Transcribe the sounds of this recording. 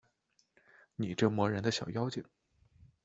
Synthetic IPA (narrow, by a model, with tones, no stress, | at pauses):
ni˨˩ʈ͡ʂɤ˥˩mwɔ˧˥ɻə˧˥nd̪ə˧ɕjɑ˨˩ʊjɑ˥ʊt͡ɕi˨˩˦ŋ